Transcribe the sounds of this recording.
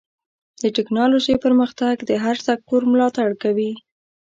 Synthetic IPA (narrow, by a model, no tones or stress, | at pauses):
d̪əʈɪknɑloʒejpəɾməxt̪aɡd̪əɦaɾsak̚t̪uɾmlɑt̪aɽkawi